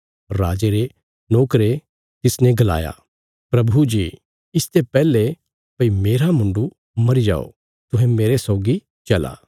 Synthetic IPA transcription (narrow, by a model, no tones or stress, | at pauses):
ɾaːd͡ʒeɾe | nɔːkɾe | t̪ɪsnɛ̃ɡɐla̰ːja̰ː | pɾɐbʱud͡ʒiː | ɪst̪ʰepɛːle | pɐimeːɾamʊ̃ɳɖu | mɐɾid͡ʒa̰ːo̰ | t̪ʊ̃ɦɛ̃meːɾesɔːɡi | t͡ʃɐla̰ː